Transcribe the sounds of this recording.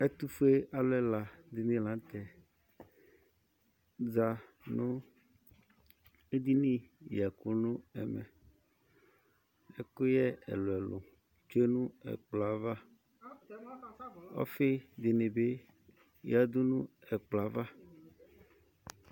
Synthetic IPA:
e˦t̪u˦fe˦a˨lɛ˦la˨d̪i˨nĩ˨˦lã˨˦t̪ɛ˨ | d͡za˨nũ˦ | e˦d̪i˦nĩ˦ja˨ku˦nũ˦ɛ˨mɛ̰˨ | e˨ko˦jɛ˦ɛ̰˨lo˨ɛ˨lo̰˨ | t͡ʃo˦e˦nũ˦ɛ̰˨k͡pla˨va˦ | ɔ̰˦fe˦d̪e˨ne˨be˦ | ja˨d̪o˦nũ˦ɛ˨k͡pla˨va˦

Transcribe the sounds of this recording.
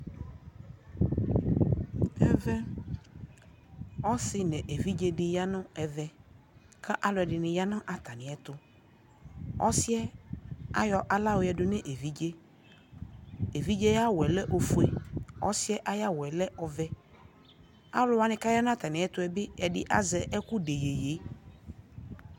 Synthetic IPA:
ɛ˦vɛ˦ | ɔ˦sɪ˦nɛ̃˨ʔe˨vi˦d͡ʒe˦dɪ˨ja˦nʊ̃˦ɛ˨vɛ˦ | kʰa˦ʔa˦lʊ˨˦ɛ˨dɪ˨nɪ̃˨ja˦nã˦ʔa˨t̪a˨nɪ̃˨ɛ˨t̪ʊ˨ | ɔ̰˦sɪ˦ɛ˦a˦jɔ˨ʔa˨la˦wʊ˨˦ɛ˨dʊ˨nɛ̃˦ʔe˨vi˦d͡ʒe˦ | e˨vi˦d͡ʒe˦ja˦wɛ˨lɛ˦ʔo˨fu˨˦ɛ˨ɔ̰˦sɪ˦ɛ˦ʔa˦ja˦wɛ˨lɛ˦ʔɔ˨vɛ˦ | a̰˦lʊ˦wa˨nɪ̃˨ka˦ja˦nã˦a˦˨t̪a˨nɪ̃˨ɛ˦t̪ʊ˦ɛ˨bɪ˦ɛ˨dɪ˨ʔa̰˦zɛ˨ʔɛ˦kʊ˦de˨je˨je˨˦

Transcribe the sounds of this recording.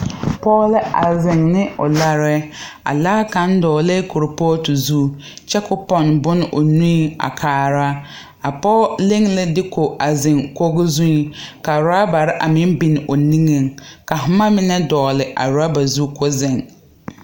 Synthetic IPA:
pɔː˦lɪ˦a̰˨zɪ˨ŋnɪ˦ʊ̰˨la˦ɾɛ˦ | a̰˨laː˦kã˨˦n˦dɔː˨lɛ˦kʰʊ˨ɾɪ˨pɔː˦tu˨zu˦ | t͡ʃɛ˦kʊ˦pɔ˦˨nbʊ˦n˦ʔʊ˨nũ˦i˦a̰˨kʰaː˨ɾa˦ | a˨pɔ˦le˦ŋlɪ˦dɪ˦kʰo˨ʔa˨zɪ˨ŋko˦ɣʊ˦zũ˦i˨ka˨ɾa˦ba˨ɾɪ˦ʔa˨mɪ̃˦m˦bi˨nɪ˨ʔo˨nĩ˦ŋe˨ŋka˨ɦʊ˦ma˦mɪ˦nɛ˦dɔː˨lɪ˨ʔa̰˨ɾa˦ba˨zu˦ko˦zɪ˨ŋ

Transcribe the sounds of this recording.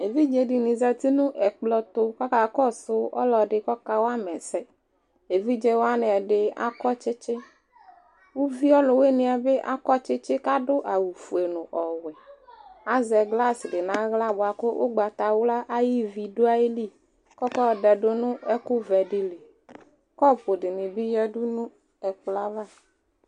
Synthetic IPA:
e˨vi˦d͡ʒe˨ɖi˨nĩ˨zɛ˨t̪i˦nũ˦ʔɛ˨k͡plɔ˦t̪ʊ˦kɔ˦ka˨kɔ˦sʊ˦ɔ̰˦lɔ˨ɖɪ˨kɔ˦ka˦wo˦a˦mɛ˨sɛ˦ | e˨vi˦d͡ʒe˦wo˦a˦nɛ˨ɛ˨ɖɪ˨a̰˦kɔ˦t͡ʃɪ˦t͡ʃɪ˦ | wo˦vi˦ɔ˦lʊ˨we˦nĩ˨a˨be˦ʔa̰˦kɔ˦t͡ʃɪ˦t͡ʃɪ˦ka˦ɖʊ˦ʔa˨wu˨fu˨e˨nʊ̃˨ʔɔ˨wɛ˨a˦zɛ˨ɡla˦sɖɪ˨nã˦ɣla˦bʊ˨a˨kʊ˦ʔo̰˦ɡ͡ba˨t̪a˨wo˦la˦ʔa˦ji˦vi˨do˦a˦e˦li˦˨ | kɔ˦kɔ˦˨ɖɛ˨ɖʊ˦nʊ̃˦ɛ˦kʊ˦vɛ˨ɖi˨le˨ | kɔ˦˨ɸo˨ɖɪ˨nɪ̃˨bi˦jɛ˦du˦nũ˦ | ɛ˨k͡pla˦va˦

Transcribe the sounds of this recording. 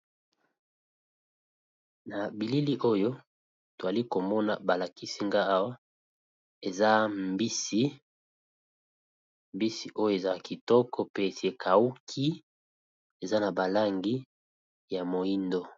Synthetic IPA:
na˨bi˨li˦li˦ʔo˦jo˦ | to˨a˨li˦ko˨mɔ˦na˨ba˨la˨ki˦si˦ŋɡa˦a˦wa˦ | e˨za˦mbi˦si˦ | mbi˦si˨ʔo˦jo˦e˨za˦ki˨tɔ˦kʰɔ˦pe˦˨si˨˦e˨kʰa˨u˦kʰi˦ | e˨za˦na˨ba˨la˦ŋɡi˦ | ja˨mo˨i˦ndo˦

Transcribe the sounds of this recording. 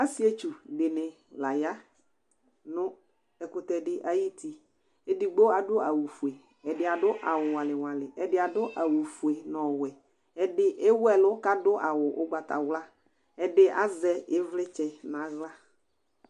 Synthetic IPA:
a˦si˦e˦t͡ʃu˨dɪ˨nɪ˨ | la˨ja˦ | nʊ̃˦ | ɛ˨kʊ˦t̪ɛ˨dɪ˦ʔa˦ji˦t̪i˨ | e˦di˨ɡ͡bo˦a˨dʊ˦a˨wu˨fu˨e˨ | ɛ˨dɪ˨a˨dʊ˦ʔa˨wʊ˨wa˨lɪ˨wa˨lɪ˨ɛ˨dɪ˨˦a˨dʊ˦ʔa˨wu˨fu˨e˨nɔ˨wɛ˨ | ɛ˨dɪ˦ʔe˦wɛ˨lʊ˦ka˦dʊ˦ʔa˨wʊ˨ʔʊ˦ɡ͡ba˨t̪a̰˨wla˦ | ɛ˨dɪ˦ʔa˦zɛ˦ɪ˦vlɪ˦t͡ʃɛ˨nã˨ɣla˦

